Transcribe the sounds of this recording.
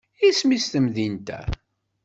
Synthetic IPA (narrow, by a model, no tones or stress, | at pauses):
ismist̪əmðint̪æ̰